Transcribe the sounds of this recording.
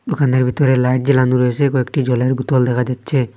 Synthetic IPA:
d̪okaneɾbʱit̪ɔɾelajʈ̚d͡ʑelanuɾɔjesʰekɔekʈid͡ʑɔleɾbut̪ɔld̪ɛkʰad͡ʑatːɕʰe

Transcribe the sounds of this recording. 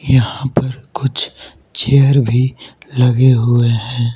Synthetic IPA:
jɐɦãpɐɾkʊt͡ʃʰ | t͡ʃeəɾbʱilɐɡeɦʊeɦɛ̃ː

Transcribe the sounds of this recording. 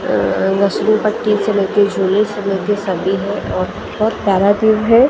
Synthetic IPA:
ɡɐsɾũpɐʈːisemelt̪ed͡ʒuːlisemelt̪esɐbiɦɛ̃ʔɔːɾ | bɔːt̪̚paːɾat̪iːʋɦɛ

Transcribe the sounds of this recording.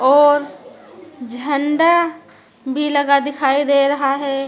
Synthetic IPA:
ɔːɾ | d͡ʒʱəɳɖa | bʱilɐɡad̪ɪkʰaːid̪eɾɐɦaɦɛː

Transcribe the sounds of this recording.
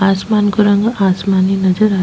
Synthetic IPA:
asmankoɾʌŋɡʌasmaninʌd͡zʌɾa

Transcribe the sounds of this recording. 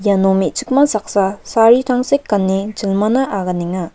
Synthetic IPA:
janomit͡ʃik̚mɐsak̚sasaɾitʰaŋsekːɐnːid͡ʒilmɐnɐʔaɡɐniŋa

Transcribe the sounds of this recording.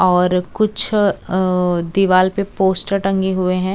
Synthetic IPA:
ɔːɾkʊt͡ʃʰ | d̪ɪʋaːlpepoːsʈəɾʈɐ̃ŋɡeɦʊeɦɛ̃ː

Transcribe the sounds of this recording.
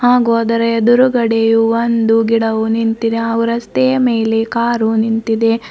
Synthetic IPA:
haːɡoːd̪ɐɾed̪uɾuɡɐɽejuʋond̪uɡiɽɐʋunint̪id̪eɐʋɐɾɐst̪ejɐmeːlekaːɾunint̪id̪e̞

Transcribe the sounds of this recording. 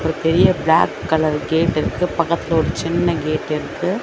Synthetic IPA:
pɐɾɯt̪ɛɾɪjɐbɪla̰ːkːɐlɐɾɡeːʈːɪɾɯkːɯpɐkːɐt̪ːɪlooːɽɯt͡ʃɪnːɐɡeːʈːɪɾɯkːɯ

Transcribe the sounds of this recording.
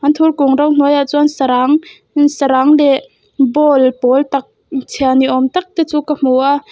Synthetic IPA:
ʔɐnt̪ʰurkuŋrɐwn̥ujat͡suʔnsɾaŋ | nsaɾaŋlɛʔ | bɔlpɔlt̪ak̚ | t͡sʰianiʔɔmt̪ak̚t̪ɛt͡suːkam̥uʔaʔ

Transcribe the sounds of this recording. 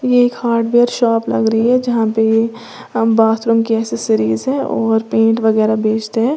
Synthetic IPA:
jeːkhaːɾɖʋeːɾʃɔːplɐ̰ɡɾɐɦiɦɛd͡ʒɐɦãpeje | baːt̪ʰɾʊ̃mkiɛːsesɪɾiːzɦɛ̃ʔɔːɾpẽːɳʈʋɐɣɛːɾabʱeːt͡ʃt̪eɦɛ̃ː

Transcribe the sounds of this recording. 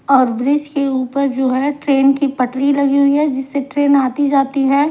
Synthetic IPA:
ɔːɾbɾɪd͡ʒkeuːpəɾd͡ʒoːɦɛʈɾeːnkipɐʈɾilɐɡiɦʊiɦɛd͡ʒɪsːeʈɾeːnaːt̪id͡ʒaːt̪iɦɛː

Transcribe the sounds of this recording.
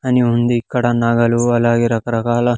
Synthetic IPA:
ɐniund̪iːkːɐɽɐnɐɡɐluɐlaːɡeːɾɐɐɾɐkaːlɐ

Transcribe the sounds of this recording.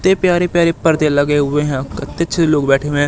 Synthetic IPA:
t̪eːpjaːɾeːpjaːɾeːpəɾd̪ẽːləɡeːɦʊʋẽɦɛ̃ːət̪eːətːʃʰeloːɡbɛːʈʰeːɦʊʋẽː

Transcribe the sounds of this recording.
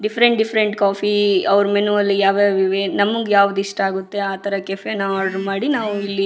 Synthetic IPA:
ɖipʰɾeɳʈɖipʰɾeɳʈkaːfiɐʋɾumenuʋɐlːijaːʋjeːʋiʋenɐmːɐɡejaːʋud̪uiʂʈɐaːɡut̪ːe̞aːt̪ʰɐɾɐkefenaːɖɾmaːɽinaːʋuilːi

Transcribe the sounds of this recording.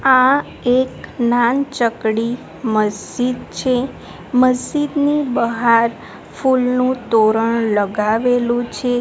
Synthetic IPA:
ã | eknant͡ʃəkɽi | məsd͡ʒid̪t͡ʃʰe | məsd͡ʒid̪nibəɦaɾ | fulnũt̪oɾəɳləɡaʋelũt͡ʃʰe

